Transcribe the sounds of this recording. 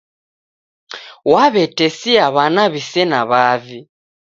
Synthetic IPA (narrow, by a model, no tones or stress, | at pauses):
waβɛtɛsiaβanaβisɛnaβavi